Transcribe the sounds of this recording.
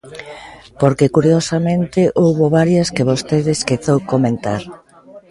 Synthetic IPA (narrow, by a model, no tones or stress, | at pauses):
poɾkekuɾjosamẽnt̪ɪʔowβoβaɾjɐskeβost̪eðeskeθowkomẽnt̪aɾ